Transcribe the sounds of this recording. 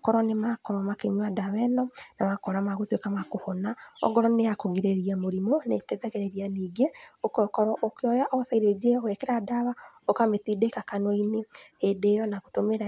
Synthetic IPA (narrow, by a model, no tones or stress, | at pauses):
kɔɾɔnemakɔɾwamakeɲwadawɛnɔnamakɔɾamaɣotwekamakohɔnaɔ̰ɡɔɾɔneakoɣeɾeɾiamoɾimonetɛðɛɣɛɾeɾianiːɡeokɔkɔɾɔʔokeɔjaʔɔsaiɾed͡ʒeowɛkɛɾadaβa | okametidekakanwɔinehedeːjɔnaɣotomeɾa